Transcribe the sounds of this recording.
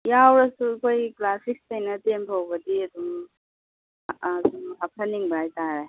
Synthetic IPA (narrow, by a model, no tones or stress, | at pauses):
jawɾɐsukʰojklasik̚stɐjnɐtempʰawbɐdiɐdum | dumɦapʰɐniŋbajtaɾa